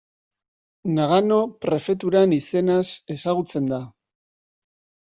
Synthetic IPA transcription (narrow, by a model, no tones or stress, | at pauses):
naɣano̞pɾe̞fe̞t̪̬uɾanise̞nase̞saɣut͡se̞nd̪a